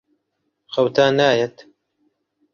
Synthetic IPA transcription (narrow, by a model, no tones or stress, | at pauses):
xɐwt̪ʰaːnaːjɛt̪